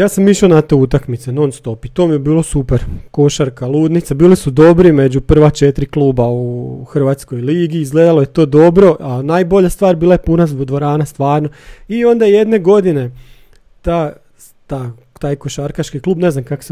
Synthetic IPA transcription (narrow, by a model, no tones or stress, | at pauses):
jaːsamːiʃaonat̪eut̪akmit̪senonst̪o̞pit̪o̞mijebiːlo̞supeɾko̞ʃaɾkalˠuːd̪nit̪sabiːlisud̪o̞bɾime̞d͡ʑupr̩ʋat͡ʃet̪ɾiklˠuːbauxr̩ʋat̪sko̞jliːɡiizɡleːd̪alˠojet̪o̞ːd̪o̞bɾo̞ʔanaːjbo̞ʎast̪ʋaːɾbiːlˠajepunazd̪d̪ʋo̞ɾaːnast̪ʋaːɾnoio̞nd̪aje̞d̪ne̞ɡo̞d̪ine̞ | t̪a | t̪a | t̪aːjkoʃaɾkat͡ʃkikluːbne̞znamkako̥se